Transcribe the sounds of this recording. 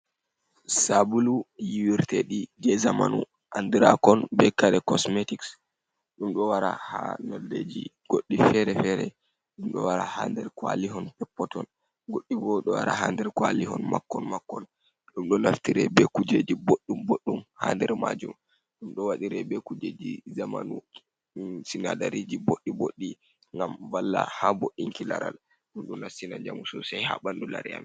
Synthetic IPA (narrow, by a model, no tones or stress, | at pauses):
sabulujiwiɾtɛɗid͡ʒɛzamanṵ | ʔandiɾakɔnbɛkaɾɛkɔsmetiks | ɗumɗɔwaɾa̰hanɔlːed͡ʒiɡ̥oɗːifɛɾɛfɛɾɛ̰ | ɗumɗɔ̰waɾaha̰ndɛɾkwa̰liɦɔnpɛpːɔtɔn | ɡoɗːibɔɗɔwaɾa̰handɛɾkwaliɦɔnmakːɔnmakːɔn | ɗumɗɔnaftiɾɛbɛkud͡ʒed͡ʒiboɗːumboɗːumhandɛɾmad͡ʒum | ɗumɗɔwaɗiɾɛbɛkud͡ʒed͡ʒizamanu | sinadaɾid͡ʒiboɗːiboɗːi | ŋɡamvalːahaboɗːiŋkilaɾal | ɗumɗunafsinad͡ʒamusɔsajhaɓandula̰ɾia̰m